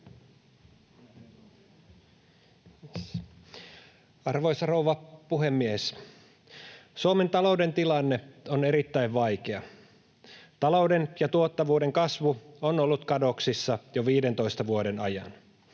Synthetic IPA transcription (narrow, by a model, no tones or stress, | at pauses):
ɑrʋo̞jsɑrowʋɑpuɦemːies | suome̞nt̪ɑlo̞wde̞nt̪ilɑnːe̞one̞ɾit̪ːæjʋʋɑjkeɑ | t̪ɑlowdenjɑt̪uot̪ːɑʋuːde̞ŋkɑsʋuonolːut̪kɑdo̞ksisːɑjoʋiːde̞nt̪o̞ist̪ɑʋuode̞nɑjɑ̰n